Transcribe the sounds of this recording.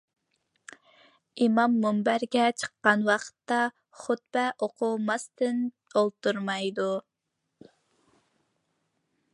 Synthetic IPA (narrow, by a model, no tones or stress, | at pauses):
imɑmːumbæɾɡʲɛt͡ʃʰə̥qːɑnwɑqʰə̥t̪ːɑ | χʊt̪̚bɛʔoqʰumɑst̪ɨn | olˠt̪uɾmɑjd̪u